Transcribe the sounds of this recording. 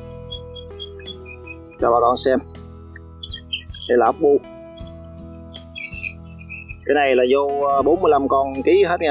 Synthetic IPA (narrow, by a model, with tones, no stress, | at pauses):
kaː˧˩ɓaː˨˩kɔ˧˩nsɛ˧m | ɗe˨˧˩jlaː˨˩ʔə˦˥k͡p̚ɓu˧ | kaː˨˦jna˨˩jlaː˨˩zo˧ɓo˨˦nmɨ˧jla˧mkɔ˧nki˨˦ɦe˦˥t̚ŋa˧